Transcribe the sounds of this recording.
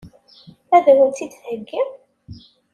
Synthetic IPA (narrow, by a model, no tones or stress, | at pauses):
æðæwənt̪ːid̪həɡːəm